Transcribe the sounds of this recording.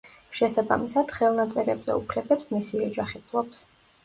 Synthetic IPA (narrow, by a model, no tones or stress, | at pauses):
ʃɛsaba̰misad̪̥χɛlˠnat̪sʼɛɾɛbzɛ̰upʰlɛbɛpsmisiɔd͡ʒaχipʰlˠɔps